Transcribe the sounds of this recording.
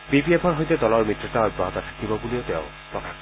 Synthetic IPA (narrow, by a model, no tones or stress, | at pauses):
bipiepʰɔɹɦɔjtɛdɔlɔɹmitɹɔtaɔj̚baɦɔt̪at̪ʰḁkibɔbuliotɛ̰ʊ̃ | pɔkʰak